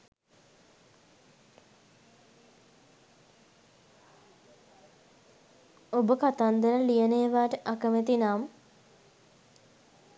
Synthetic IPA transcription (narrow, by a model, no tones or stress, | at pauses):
obəkat̪and̪əɾəlijəneːʋaːʈəʔakəmet̪inaːmə